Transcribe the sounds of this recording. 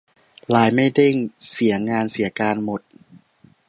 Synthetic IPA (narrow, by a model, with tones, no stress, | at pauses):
laː˩˦jma˥˩jde˥˩ŋsi˨˩˦ɐŋaː˧nsi˩˦ɐkaː˧nmo˨˩˦t̪̚